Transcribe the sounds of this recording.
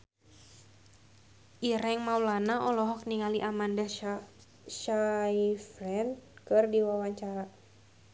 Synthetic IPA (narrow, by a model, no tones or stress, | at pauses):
ʔiɾɛŋmaulanaʔɔlɔɦɔk̚niŋaliʔamanda | ʃaifɾɛn̚kɨrdiwawaɲt͡ʃaɾa